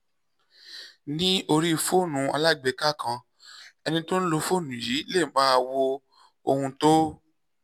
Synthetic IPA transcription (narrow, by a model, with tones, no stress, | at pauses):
nĩ˦o˧ɾi˦˧˨fo˦˨nũ˨˧a˧la˦ɡ͡be˨˧˨ka˦kã˧ | ɛ˧nĩ˧to˦ñ̩˦lo˧fo˦˨nũ˨ji˨˦le˦˨˦ba˦˧wo˧ | o˧hũ˧to˦